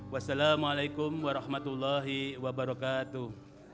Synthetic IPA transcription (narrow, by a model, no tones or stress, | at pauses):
wasalaːmalajkʊmwaɾɑhmat̪ulːaɦiwabaɾɔkaːt̪uh